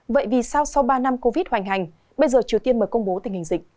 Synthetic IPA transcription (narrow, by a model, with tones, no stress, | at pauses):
və̰˧˨jvi˨˩sa˧wsa˧wɓaː˧na˧mko˧vi˦˥t̚hwa˨˩jŋ̟ɦa˨˩jŋ̟ | ɓə˧jzəː˨˩t͡ɕi˨˩ət̪i˧ənməː˨˩kə˧wŋ͡mɓo˨˦t̪ï˨˩ŋ̟hï˨˩ŋ̟zḭ˧˨ŋ̟̚